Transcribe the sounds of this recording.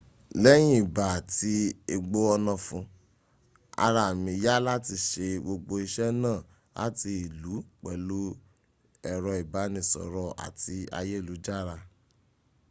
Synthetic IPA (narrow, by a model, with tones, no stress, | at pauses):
lɛ˦j̃ĩ˦i˨ba˨ti˧e˧ɡ͡bo˦ɔ˧nã˧fũ˧ | a̰˧ɾa˧˨mĩ˧˦ja˦la˦ti˧ʃe˧ɡ͡bo˧ɡ͡bo˧i˧ʃɛ˦nãː˦˨ | la̰˦ti˧i˨lu˨˦k͡pɛ˨lo˦ | ɛ˨ɾɔ˧i˨ba˨˦nĩ˧˨sɔ̰˨ɾɔ˦a̰˨ti˨˧˦a̰˧je˦˨lu˨˦d͡ʒa˦ɾa˧